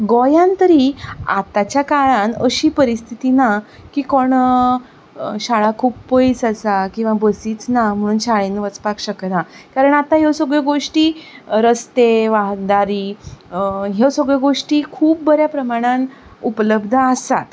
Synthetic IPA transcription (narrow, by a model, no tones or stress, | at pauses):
ɡojãnt̪əɾiːa̰t̪at͡ɕjakaɭãnəɕiːpəɾist̪ʰit̪ina | kiːkoɽ | ɕaɭakʰuːppəit͡sasakĩw̃ʋabəsiːt͡snam̤əɽ̃uːnɕaɭenʋət͡spakɕəknakaɾəɳat̪aɦewsəɡɭeɡoʂʈiːɾəst̪eʋaɦd̪aɾiː | ɦewsəɡɭəɡoʂʈiːkʰuːp̚bəɾjapɾəmaɽ̃ãn | upələb̚d̪ʱəasa̰t̪